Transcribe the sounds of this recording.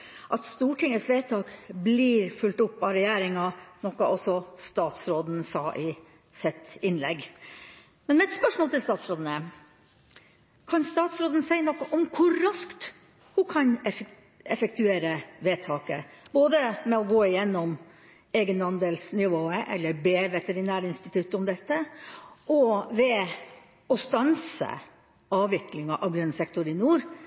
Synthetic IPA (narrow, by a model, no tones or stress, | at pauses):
ʔɑt̪st̪uːʈɪŋːəsʋeːt̪ʰɑːkbliːɾfʉlt̪ʊpːɑɾɛjæːɾɪŋɑnɔkɑʔɔsɔst̪ɑːt̪sɾoːd̪n̩sɑ̰ːʔɪ | sɪt̪ɪnlɛ̰ɡ | mɛnmɛɛt̪spœʂmoːlt̪ʰɪlst̪ɑːt̪sɾoːd̪n̩ə | kʰɑnst̪ɑːt̪sɾoːd̪ənəsæɪnɔkːɑʔɔmkʰʊːɑskt̪ | hʊkʰɑnɛ | ɛfək̚t̪ʰʉeːɾəʋeːt̪ʰɑːkə̰b̥oːd̪əmɛɔɡoːɪjɛnːɔm | eːɡənhɑnd̪əlsnɪʋoːəʔɛ̰lːəɾbeːʋɛt̪ɛɾɪnæːɾəɪnst̪ɪt̪ʰʉt̪ːəɔmd̪ɛt̪ːəʔɔʋɛ | ɔst̪ɑnsə̰ | ɑːʋɪklɪŋɑʔɑʋɡɾœnsɛkt̪ɔɾɪnuːɾ